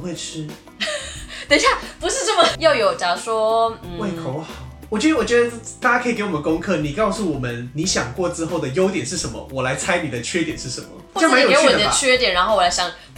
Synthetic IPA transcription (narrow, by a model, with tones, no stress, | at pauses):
xwe˥˩ɪʈ͡ʂ̩ʰ˥ | t̪ə˨˩ɕja˥˩pu˧˥ʂɻ̩˥˧ʈ͡ʂə˥˩mə˩jo˥˩ʊjo˨˩ʊt͡ɕa˨˩ʂwɔ˥˩we˥˩kʰo˨˦wɑ˨˩˦wɔ˨˩t͡ɕɥɛ˧˥d̪ə˧wɔ˨˩t͡ɕɥɛ˧˥d̪ə˧t̪a˥˩t͡ɕja˥kʰə˧˥˨ke˧˥ɪwɔ˨˩ə˦nkʊ˥ŋkʰɤ˥˩ni˨˩kɑ˥˧ʊsu˥˩wɔ˨˩mə˦nni˨˦ɕjɑ˨˩ŋkwɔ˥˩ʈ͡ʂɻ̩˦xo˥˩ʊd̪ə˩jo˥ʊt̪jɛ˨˩nʂɻ̩˥˩ʂə˧˦nmə̰˧wɔ˨˩la˧˥ɪt͡sʰa˥ɪni˨˩d̪ə˦t͡ɕʰɥɛ˥t̪jɛ˨˩nʂɻ̩˥˩ʂə̰˧˦nmə̰˨˥˨a˧˦˥njo˨˧˥wɔ˨d̪ə˨˩ə˧t͡ɕʰɥɛ˥t̪jɛ˨˩nɻa˧˥nxo˥˩ʊwɔ˨˩la˧˥ɪɕjɑ˨˩˦ŋ